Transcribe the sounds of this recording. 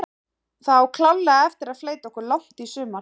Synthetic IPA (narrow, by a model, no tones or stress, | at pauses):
θawkʰlalːaɛft̪ɪɾaðfleːjt̪aɔhkʏɾlawh̪t̪isʏːma